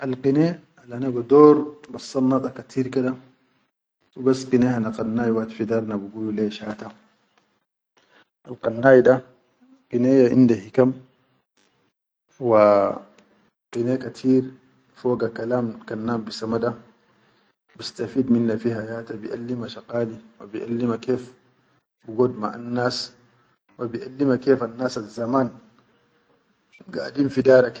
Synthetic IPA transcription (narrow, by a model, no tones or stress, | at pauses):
ʔalqine | alʔanabad̪oːɾbɑsːɑlnːɑt̪ˤɑkat̪ʰiːɾkad̪a | wibasːqineːhanaqɑnːaːjwaʔt̪fid̪ɑɾˤnabaɡuːluleʃaːt̪a | ʔalqɑnːaːjda | qineːjaʔḭnd̪ahikam | wa | qineːkat̪ʰiːɾ | foːɡakalaːmkanːaːmbisamada | bist̪afiːd̪minːafiɦajaːt̪abiʔa̰lːimaʃaqaːliwabiʔa̰lːimakeːf | biɡoːd̪ma̰ʔanːaːs | wabiʔalːimakeːfanːaːsazːamaːn | ɡa̰dimfidaːɾak